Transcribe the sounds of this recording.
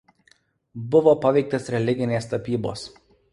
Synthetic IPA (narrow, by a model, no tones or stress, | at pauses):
bʊʋoːpɐʋʲɛɪk̚t̪ʲɐsɾʲɛlʲɪɡʲɪnʲeːst̪ɐpʲiːbo̰ːs